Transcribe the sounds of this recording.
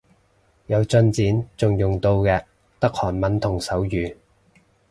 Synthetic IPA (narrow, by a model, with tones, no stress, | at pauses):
jɐ˨˧wt͡sɵ˧nt͡siː˨˥nt͡sʊ˨ŋjʊ˨ŋt̪o˧wkɛː˧ | t̪ɐ˥k̚hɔː˨˩nmɐ˨˥nt̪ʰʊ˨˩ŋsɐ˨˥wjyː˨˧